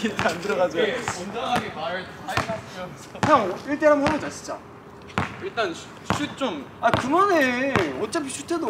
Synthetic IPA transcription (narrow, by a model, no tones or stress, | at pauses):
iandɯɾʌɣad͡ʑondaaɡemaɾɯsʰaa | aŋiɭt͈eɦamɦabod͡ʑaɕʰi̥t͡ɕ͈a̰ | iɭt͈an | ɕʰut̚t͡ɕ͈omakɯmʌneʌt͡ɕ͈apʰiɕʰu̥tʰedo